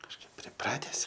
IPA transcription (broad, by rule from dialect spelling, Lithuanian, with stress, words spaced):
kɐʃˈkɐɪp pʲrʲɪˈprɑːtʲɛs